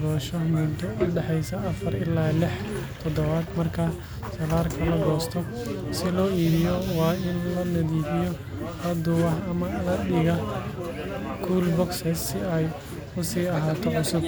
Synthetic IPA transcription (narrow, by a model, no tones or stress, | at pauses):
ɾɔːʃɔmʊd̪ɔʔʊɖɛħɛjsɐʔɐfɐrɪlːaːlɪħt̪ʰɔd̪ɔβaːd̪mɐrkʰɐ | sɐlaːrkʰɐlɐɡɔːst̪ʰɔ | sɪlɔːiːðɪjɔwɑːɪnlɐnɐðiːfɪjɔ | ɐd̪ʊɐhɐmɐɐdɪɣɐ | kʰuːlbɔksɛsːɪɛj | ʊsiːɐɦaːt̪ʰɔʕʊsʊb̚